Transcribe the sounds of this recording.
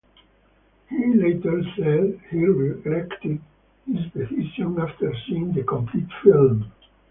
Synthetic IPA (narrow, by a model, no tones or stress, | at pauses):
hilet̪əlsɛdhiɹilɛkt̪ɪd | hizbesiʃɔ̃naft̪ə˞sĩnd̪əkɔ̃mpʰlit̪film